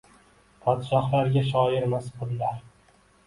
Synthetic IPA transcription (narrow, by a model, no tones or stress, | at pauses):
pʰɒd̪ʃɒhlˠaɾɡʲaʃ̬ɒjɪɾmaspʰʊɾlaɾ